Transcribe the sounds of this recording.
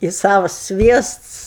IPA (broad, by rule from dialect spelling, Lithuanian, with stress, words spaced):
ɪ ˈsɑːʋɐs ˈsʲʋʲiɛsts